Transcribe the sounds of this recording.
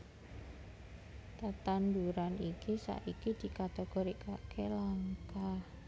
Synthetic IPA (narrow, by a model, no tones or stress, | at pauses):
t̪at̪and̪uɾanikisa̰ʔikid̪̥i̤kat̪eɡ̥oɾikakʰelaŋkah